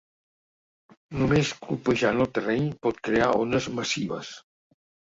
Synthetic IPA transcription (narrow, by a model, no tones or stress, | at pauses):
numeskupəʒanəlˠt̪ərɛɲpɔt̪̚kɾeaonəzməsiβə̰s